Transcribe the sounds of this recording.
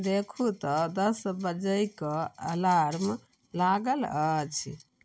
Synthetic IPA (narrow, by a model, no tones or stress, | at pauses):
d̪ekʰut̪ɔd̪əsbəd͡ʒəjkəə̰laɾm | laɡələt͡ʃʰ